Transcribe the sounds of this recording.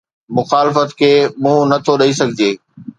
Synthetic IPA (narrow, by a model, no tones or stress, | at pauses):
mʊxaːlɪfət̪kʰeːmũːnɐt̪ʰoɗɐis̬ɐɡʱɪd͡ʑeː